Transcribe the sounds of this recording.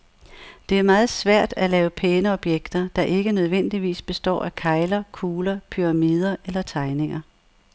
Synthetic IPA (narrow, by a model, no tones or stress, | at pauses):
d̥e̝æɐmɑ̈ːð̞̩ˠsʋæɐ̰d̥ælɛːʊpʰeːnəɒ̽b̥jeɡ̥d̥ɐd̥ɑ̈ʔe̝ɡ̥ənøð̞ˠʋen̰d̥iʋḭːsb̥e̝sd̥ɒ̰ːʔækʰɑ̈ɪlɐkʰuːlɐpʰyʁɑ̈miːð̞ˠɐʔelɐt͡sʰɑ̈ɪne̝ŋɐ